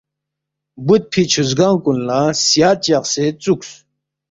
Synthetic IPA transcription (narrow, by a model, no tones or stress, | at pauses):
but̪̚pʰit͡ɕʰuzɡaːŋkunlasjaːt̪̚t͡ɕaqset͡suks